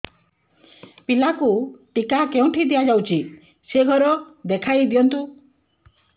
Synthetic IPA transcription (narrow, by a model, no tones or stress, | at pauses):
pilakuʈikakeũʈʰid̪ijad͡ʒawt͡ʃʰi | seɡʱɔɾɔd̪ekʰajd̪ijɔnt̪u